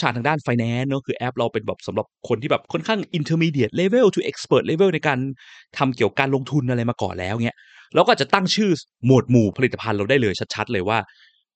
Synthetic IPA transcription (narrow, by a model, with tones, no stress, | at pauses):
t͡ɕʰaː˧˩t̪ʰa˧ŋdaː˥˩nfa˧jnɛː˨˦˥nːɔː˦˥kʰɯː˧ʔɛ˦˥p̚ɾa˧wpe˧nbɛ̰ː˨˩p̚sa˨˩˦mɾa˨˩p̚kʰo˧nt̪ʰiː˥˩bɛː˨˩p̚kʰɔ˥˩˨nkʰaː˥˩ŋʔi˧nt̪ʰəː˧miː˧di˨˩ət̪̚le˧we˥˩wt͡ɕ̪ʰu˥˩ʔe˦˥k̚spɤː˨˩t̪̚leː˧we˥˩wna˧jkaː˧nt̪ʰa˧mki˨˩əwkaː˧nlo˧ŋt̪ʰu˧nʔa˧ɾa˧jmaː˧kɔ̰ː˨˩nlɛ̰ː˦˥wŋi˦˥ɐ | lɛː˦˥wkɔː˥˨˩t͡ɕa˨˩t̪a˥˩ŋt͡ɕʰɯː˥˩mo˨˩t̪̚muː˨˩pʰa˧li˨˩t̪ːa˧pʰa˧nɾa˧wdaː˥˩jlɤː˧jt͡ɕʰa˦˥t̪̚t͡ɕʰa˦˥t̪̚lɤː˧jwaː˥˩